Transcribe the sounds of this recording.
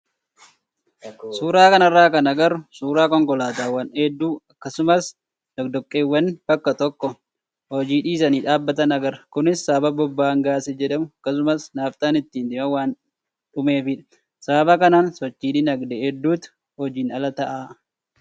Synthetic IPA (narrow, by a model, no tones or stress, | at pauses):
suːɾaːkɐnɐrːaːkɐnɐɡɐɾʊsuːɾaːkɔŋɡɔlaːt̪aːwɐneːd̪ːuːɐkːɐsʊmɐs | d̪̥ɔd̪ɔkʼːeːwːɐnb̥ɐkːɐt̪ɔkːɔ | hɔd͡ʒiːᶑiːs̬ɐniːᶑaːbːɐt̪ɐnɐɡɐɾɐkʊnɪsːaːbɐbɔbːaːŋɡaːsɛd͡ʒɛᶑɐmʊɐkːɐs̬ʊmɐsnaːft̪ʼaːnɪt̪ːiːnd̪ɪmɐwaːn | ᶑʊme̞ːfɪᶑɐ̥ | sabɐkɐnaːnsɔt͡ʃːiːᶑɪnɐɡd̪ɛhɛd̪ːuːt̪ | hɔd͡ʒiːnɐlɐt̪ɐʔaː